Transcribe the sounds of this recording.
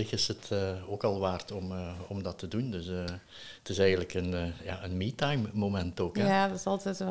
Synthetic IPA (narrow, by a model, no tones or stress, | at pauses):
ɪxɪsətəoːkɑlˠʋaːrtɔməɔmdɑtədundɵsə | ətɪsɛjɣəntləkənja̰ːənmiːtajmːomɛntoːkɛadɪsɑlˠtɛt